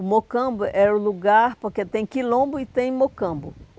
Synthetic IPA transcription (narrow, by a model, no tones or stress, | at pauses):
mokɐ̃bʊʔɛʊluɡaɾpoɾket̪ẽj̃kilõbʊit̪ẽj̃mokɐ̃bʊ